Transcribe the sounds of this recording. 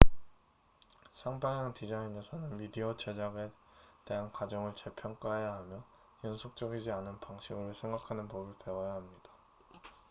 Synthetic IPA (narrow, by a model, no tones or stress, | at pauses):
sʰaŋbajaŋtid͡ʑaine̞sʰʌnɯnmidiʌt͡ɕʰe̞d͡ʑaɡe | te̞ɦankwad͡ʑʌŋɯɭt͡ɕepʰjʌŋk͈aɦejaɦamjʌ | jʌnsʰok̚t͡ɕ͈ʌɡid͡ʑianɯnpaŋɕʰiɡɯɾosʰe̞ŋɡakʰanɯnpobɯɭpe̞wʌjaɦamɲid̥ḁ